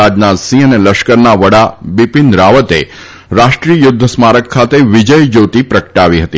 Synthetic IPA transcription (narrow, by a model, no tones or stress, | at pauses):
ad͡ʒnasĩəneləʃkəɾnaʋəɽabipɪnd̪ɾaʋət̪e | ɾaʃʈɾiəjʊd̪ʱːəsmaɾəkʰːat̪eʋɪd͡ʒəjd͡ʒot̪ipɾəkəʈaʋiɦət̪i